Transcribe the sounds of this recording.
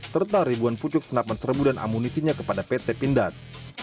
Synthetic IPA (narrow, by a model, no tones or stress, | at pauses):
sərt̪aɾibuanput͡ʃʊk̚sənapansərbudanʔa̰munisiɲakəpadapet̪epindat̪̚